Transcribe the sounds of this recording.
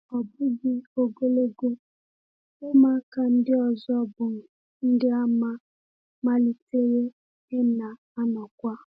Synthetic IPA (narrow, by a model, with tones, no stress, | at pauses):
ɔ˨bʊ˦ɡɪ˨o˨ɡo˦le˦ɡo˦ | ʊ˦ma˦ka˨n̩˦dɪ˦ɔ˨zɔ˦bʊ˨m̩˨ | ŋ̩˦dɪ˦a˦ma˦ | ma˦li˨te˦ɾe˦ | ɪ˦na˨ | a˦nɔ˨kʷa˦